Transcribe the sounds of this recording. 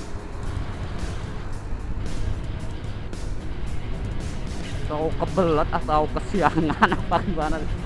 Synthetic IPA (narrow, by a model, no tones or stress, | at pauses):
saukəbələt̪̚at̪aukəsiaŋanapakbanad